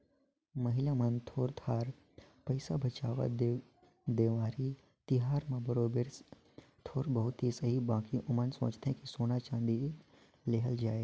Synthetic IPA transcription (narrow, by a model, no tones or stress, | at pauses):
mɐɦɪlamənt̪ʰoːɾt̪ʰaːɾ | pɐɪsabʱɐt͡ʃaːʋa̰d̪ | d̪eːʋaːɾi | t̪ɪɦaːɾmãbɐɾoːbɪɾs | t̪ʰoːɾbɐɦʊt̪ɦisɐɦibãːkiʔʊmənsɐ̰̃ːt͡ʃt̪ɦɛ̃kisoːnat͡ʃãːnd̪i | leɦəld͡ʒaːeːɡ